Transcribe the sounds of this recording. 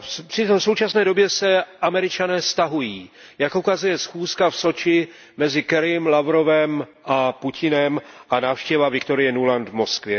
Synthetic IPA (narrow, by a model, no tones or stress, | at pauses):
fpr̥ɪt̪osowt͡ʃasnɛːdo̞bjɛsɛʔamɛɾɪt͡ʃanɛːst̪aɦujiː | jakʔukazujɛsxuːskafso̞t͡ʃɪ | mɛzɪkɛɾjɛmlavɾo̞vɛm | ʔapucʰɪnɛmʔanaːfʃcɛvavɪkt̪o̞ɾɪjɛnulant̪vmo̞skvjɛ